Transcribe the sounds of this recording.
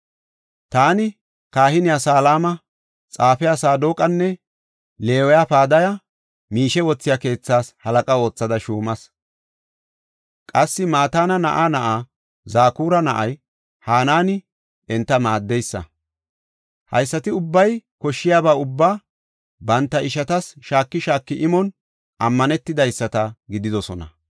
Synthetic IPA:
t̪aːnɪ | kaːhɪnɪjasaːlaːmɐ | t͡sʼaːfɛjasaːd̪oːkʼɐnːɛ | le̞ːwɔjapaːd̪ɐjɐ | miːʃɛwɔt͡sːɪjake̞ːt͡sːaːshɐlɐkʼɐo̞ːt͡sːɐd̪ɐʃuːmɐs | kʼɐsːɪmaːt̪aːnɐnɐ̰ʔaːnɐʔaː | zaːkuːɾɐnɐʔɐj | haːnaːnɪ | ɛnt̪ːɐmaːd̪ːɛjsːɐ̰ | hɐ̰jsːɐt̪ɪʊbːɐjkɔʃːɪjaːbaːʊbːaː | bɐnt̪ːɐʔɪʃɐt̪ɐsʃaːkːɪʃaːkːɪʔɪmɔn | ʔɐmːɐnɛt̪ːɪd̪ɐjsːɐt̪ɐɡɪd̪ɪd̪ɔsɔnɐ̰

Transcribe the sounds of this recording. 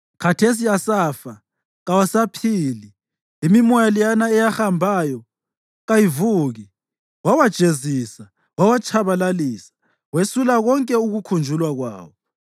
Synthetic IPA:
kʰatʰes̬iasaːfa | ɣawasapʰiːli | imimɔjalijanaɛjaxambʱajɔ | ɣajivuɣi | wawad̥ʒ̥ʱezisa | wawat͡ʃʰaβalalisḁ | wesulaɣɔŋkʼɛuɣukʰund͡ʒʱulwaɣwa̰ːwɔ

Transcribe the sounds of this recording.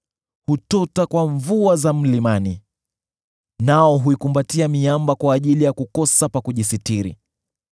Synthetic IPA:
hutɔtakwaɱvuazam̩limani | naɔɦuikumbatiamiambakwaːʄilijakukɔsapakuʄisitiɾḭ

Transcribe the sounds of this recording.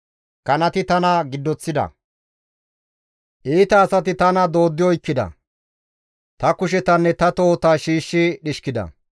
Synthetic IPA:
kɐnɐt̪ɪt̪ɐnɐɡɪd̪ːɔt͡sːɪd̪ɐ̰ | ʔiːt̪ɐːsɐt̪ɪt̪ɐnɐd̪o̞ːd̪ːɪjɔjkːɪd̪ɐ̰ | t̪ɐkʊʃ̬ɛt̪ɐnːɛt̪ɐt̪o̞ːt̪aːʃiːʃːɪɗɪʃkɪd̪ɐ̰

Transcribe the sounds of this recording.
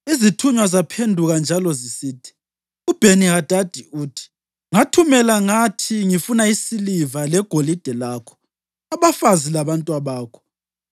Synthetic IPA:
izitʰuɲwazapʰendʱuɣand͡ʒʱalɔzisiːtʰi̥ | ub̥ʱenihad̥ʱad̥ʱiuːtʰi̥ | ŋatʰumɛlaŋatʰiŋifunaisilivalɛɡ̥ʱolid̥ʱɛlaːkʰɔ̥ | aβafazilaβantʼwaβaːkʰɔ̥

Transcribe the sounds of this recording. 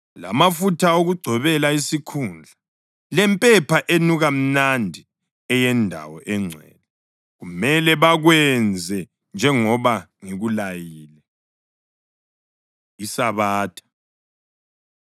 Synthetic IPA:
la̰mafutʰaoɣuɡ͡ǀʱɔβɛlaisikʰund͡ɮʱa | lɛmpʼɛpʰaʔenuɣam̩nandʱi | ɛjɛndʱa̰wɔʔɛŋ͡ǀʱwɛ̰lɛ | ɣumɛlɛβaɣwɛnd͡zʱɛ | nd͡ʒʱɛŋɔβaŋiɣulajiːlɛ | isaβaːtʰḁ

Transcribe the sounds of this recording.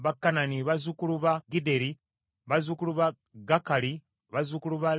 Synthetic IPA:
βakːananiβazukuluβaɡide̞ɾi | βazukuluβa | ɡakali | βazukuluβa

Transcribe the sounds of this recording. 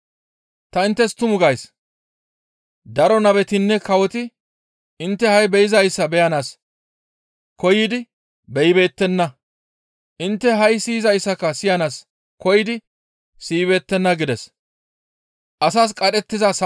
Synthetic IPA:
t̪ɐɪnt̪ːɛst̪ʊmʊɡɐjs | d̪ɐɾɔnɐbɛt̪ɪnːɛkɐwɔt̪ɪ | ɪnt̪ːɛhɐjbɛjɪzɐjsːɐbɛjɐnaːs | kɔjɪd̪ɪ | bɛjbe̞ːt̪ːɛnːɐ | ʔɪnt̪ːɛɦɐjsiːzɐjsːɐkːɐsɪjɐnaːs | kɔjɪd̪ɪ | siːβe̞ːt̪ːɛnːɐɡɪd̪ɛs | ʔɐsaːs̬kʼɐɗɛt̪ːɪzɐs

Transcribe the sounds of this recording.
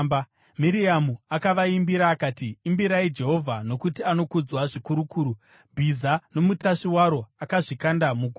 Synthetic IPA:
ba | miɾiamuakaʋaimbiɾaːkaːtiːmbiɾaid͡ʒe̞ɦo̞vʱano̞kutiano̞kud͡zwaʐikuɾukuːɾu | bʱizano̞mutaʂiwaɾo̞akaʐikandamuɡʱu

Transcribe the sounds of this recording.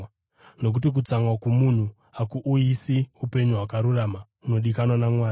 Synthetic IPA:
no̞k̬ut̬ik̬ut͡saŋwakumun̤u | akuʔuisiupe̞ɲuɦwakaɾuraːma | uno̞ɗikanwanamwaːi

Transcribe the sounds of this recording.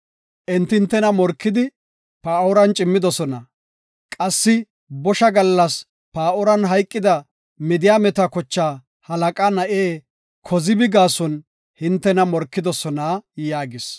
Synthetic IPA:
ʔɛnt̪ːɪnt̪ːɛnɐmɔɾkːɪd̪ɪ | paːɔɾɐnt͡ʃʼɪmːɪd̪ɔsɔnɐ | kʼɐsːɪ | bɔʃɐɡɐlːɐs | paːɔɾɐnɦɐjkʼːɪd̪ɐ | mɪd̪ɪjaːmɛt̪ɐkɔt͡ʃːaː | hɐlɐkʼanɐʔeː | kʰɔzɪbɪɡaːsɔn | hɪnt̪ːɛnɐmɔɾkːɪd̪ɔsɔnaːjaːɡɪs

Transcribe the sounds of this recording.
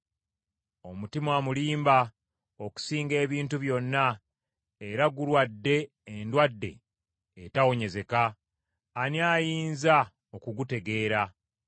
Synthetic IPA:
omutimwaːmuliːmba | o̞ku̥siːŋɡe̞ːβiːntuβjo̞nːa | eɾaɡulwadːe̞ː | ndwadːe̞̰ː | tawo̞ɲe̞ze̞kaː | nijaːjiːnza | o̞kuɡute̞ɡe̞ːɾa

